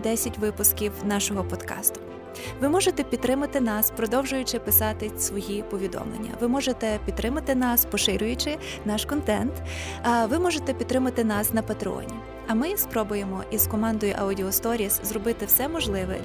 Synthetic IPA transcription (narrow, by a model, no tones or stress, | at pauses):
d̪ɛsʲɐtʲʋɪpʊskʲiwnɑʃɔɦɔpɔd̪kɑ̰st̪ʊ̥ | ʋɪmɔʒet̪ɛpʲid̪t̪ːɾɪmɐt̪ɪnɑspɾɔd̪ɔwʒʊjʊt͡ʃɪpɪsɑt̪ɪsʋɔjipɔʋʲid̪ɔ̰mlˠḛnʲːɐ̰ʋɪmɔʒet̪ɛpʲid̪t̪ːɾɪmɐt̪ɪnɑspɔʃɪɾʲʊjʊt͡ʃɪ | nɑʃkɔnt̪ɛ̰nt̪ | ʋɪmɔʒet̪ɛpʲid̪t̪ɾɪmɐt̪ɪnɑsnɐpɐt̪ɾɪɔ̰nʲi | ɐmɪspɾɔbʊjemɔʔizkɔmɑnd̪ɔjʊʔɐʊdʲiɔst̪ɔɾʲiszrɔbɪt̪ɪwsɛmɔʒlˠɪʋɛ̰